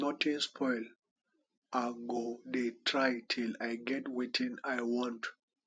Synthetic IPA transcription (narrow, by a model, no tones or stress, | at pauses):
nɔtĩnspʰɔɪl | aɡodetʰɹajtʰilajɡɛtwetʰĩnajwɔ̃nt